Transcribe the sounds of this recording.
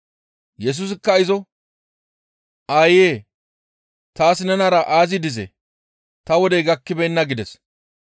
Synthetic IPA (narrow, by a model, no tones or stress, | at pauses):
jɛs̬ʊs̬ɪkːɐɪzɔ | ʔaːjeː | t̪aːsɪnɛnaɾɐʔaːzɪd̪ɪzɛ̰ | t̪ɐwɔd̪ɛɡɐkːɪbɛjnːɐɡɪd̪ɛs